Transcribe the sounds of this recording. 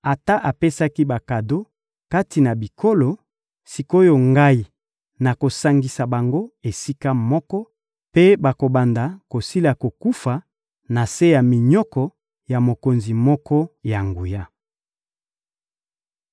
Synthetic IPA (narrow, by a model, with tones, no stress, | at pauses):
a˨ta˦ʔa˨pe˦sa˦ki˦ba˨ka˨do˦ | ka˦ti˨na˨bi˨kʰo˦lo˨ | si˨ko˦jo˨ŋɡa˦i˨ | na˨ko˨sa˦ŋɡi˨sa˨ba˨ŋɡo˦e˨si˦ka˦mɔ˦kɔ˦ | pe˦ba˨ko˨ba˨nda˨ko˨si˦la˨ko˨ku˦fa˨ | na˨se˦ja˨mi˨ɲɔ˦kɔ˨ | ja˨mo˨ko˨nzi˨mɔ˦kɔ˦ja˨ŋɡu˨ja˦